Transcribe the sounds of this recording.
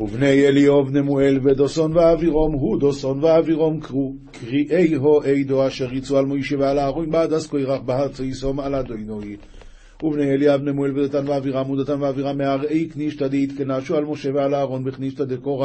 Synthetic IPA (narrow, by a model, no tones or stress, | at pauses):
uvnejeliovnemuelved̪osonveaviʁo̞mɦud̪osonveaviʁomk | kʁiʔejɦoʔejd̪oaʃeʁit͡sualmojʃevealaːʁojnbaad̪askojʁaχbaɦat͡soisomalad̪ojnoj | uvnejeliavnemuelved̪at̪anveaviʁamud̪at̪anveaviʁameaʁejkniʃt̪ad̪eit̪kenaʃualmoʃevealaːʁonbeχniʃt̪ad̪ekoʁa